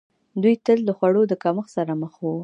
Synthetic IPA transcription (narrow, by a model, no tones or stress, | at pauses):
d̪ujt̪əld̪əxwaɽod̪əkaməxsaɾaməxwu